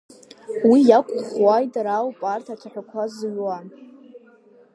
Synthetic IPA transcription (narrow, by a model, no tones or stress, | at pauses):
wijakʷʼχwajtʼaɾawpʼartʰat͡ʃʷʰaħʷᶣakʷʰazɥwan